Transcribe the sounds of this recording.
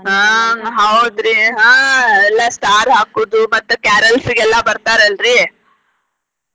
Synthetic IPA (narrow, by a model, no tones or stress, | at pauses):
ɦãːɦɐwd̪ɾiɦãːɛlːɐsʈaːɾɦaːkuːd̪umɐt̪ːukaːɾɐlsiɡɛlːɐbɐɾt̪aːɾɐlɾi